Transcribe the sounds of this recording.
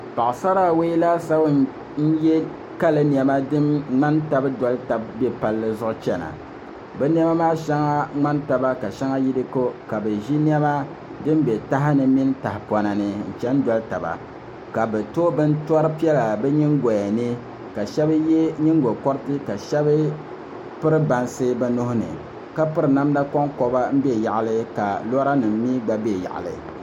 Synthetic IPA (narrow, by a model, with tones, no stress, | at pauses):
pa˨ʔsa˦ɾa˦we˦la˦sa˦w | n̩˦jɛ˦ | ka˦lɨ˦ni˨ɛ˨ma˦dɨ˦mŋ͡ma˦nta˦bdɔ˦lɨ˦ta˨b̚bɛ˦pa˨lːɨ˦zʊ˦ʔʊ˦t͡ʃɛ˨na̰˨ | bɛ˦n˦ɛ˦ma˦maː˦ʃɛ˦ŋa˦ŋ͡ma˦nta˨ba˦ka˨ʃɛ˦ŋa˦ji˦dɨ˦ko˦ka˨bɛ˨ʒi˦ni˦ɛ˦ma˦ | dɨ˦mbɛ˨ta˦ɦɪ˦nɨ˨mi˦n˦ta˨hɪ˨pɔ˨na˨nɨ˨n̩˨t͡ʃɛ˦n˦dɔ˦lta˨ba̰˨ | ka˨bɛ˨toː˦bɨ˦n˦tɔ˦ɾɨ˦pi˦ɛ˦la˨bɛ˦ɲi˦ŋ˦ɡɔ˨ja˨nɨ˦ | ka˨ʃɛ˦bɨ˦je˦ɲi˦ŋ˦ɡo˨kɔ˦ɾɨ˦tɨ˦ka˨ʃɛ˦bɨ˦ | pɨ˦ɾɨ˦ba˨nsɨ˦bɛ˦nʊ˦hʊ˦nɨ̰˨ | ka˦pɨ˦ɾɨ˨na˦m˦da˦kɔ˦ŋkɔ˨ba˦m̩˦bɛ˦˨ja˨ʔa˨lɨ˦ka˨lɔ˦ɾa˦nɨ˨m˦mi˦ɡ͡ba˨be˦˨ja̰˨ʔa̰˨lɨ̰˨